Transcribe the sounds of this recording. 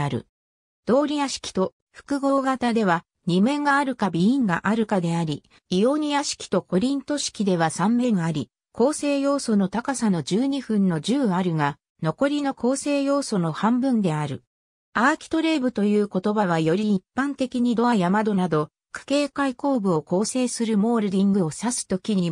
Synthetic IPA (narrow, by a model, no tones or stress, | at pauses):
aɾɯ̟̰ | d̪̥o̞ːɾʲiaɕi̥kʲi̥t̪o̞ | ɸɯ̟̥kɯ̟ɡo̞ːɡat̪ad̪e̞β̞a | ɲ̟imẽ̞ŋɡaːɾɯ̟kabʲiĩŋɡa̰ʔaɾɯ̟kad̪e̞aɾʲi | io̞ɲ̟ijaɕi̥kʲi̥t̪o̞ko̞ɾʲĩnt̪o̞ɕi̥kʲid̪e̞β̞asãmːe̞ŋiaɾʲi | ko̞ːse̞ːjo̞ːso̞no̞t̪akasano̞d͡ʑɨːɲ̟iɸɯ̟̃nːo̞ʑɨːaɾɯ̟ɡa | no̞ko̞ɾʲino̞kʰo̞ːse̞ːjo̞ːso̞no̞hãmbɯ̟̃nd̪e̞aɾɯ̟̰ | aːkʲi̥t̪o̞ɾe̞ːbɯ̟t̪o̞jɯ̟ːko̞t̪o̞baβ̞ajo̞ɾʲiːpːãnt̪e̞kʲiɲ̟id̪o̞ajamad̪o̞nad̪o̞ | kʰḁke̞ːkaiko̞ːbɯ̟o̞ko̞ːse̞ːsɨɾɯ̟mo̞ːɾɯ̟ɾʲĩŋɡɯ̟o̞sasɨ̥t̪o̞kʲiɲ̟i